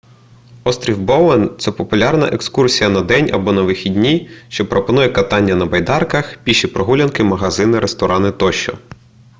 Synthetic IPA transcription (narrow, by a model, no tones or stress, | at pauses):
ɔst̪ɾʲiwbɔwɛnt̪sɛpɔpʊlʲɑrnɐ̰ʔekskursʲijɐnɐd̪ɛnʲɐ̰bɔnɐʋɪxʲidʲnʲiʃt͡ʃɔpɾɔpɔnujɛkɐt̪ɑnʲːɐnɐbɐjd̪ɑrkɐxpʲiʃipɾɔɦulʲɐnkɪmɐɦɐzɪnɪɾʔest̪ɔɾʔɑnɪt̪ɔʃt͡ʃɔ̰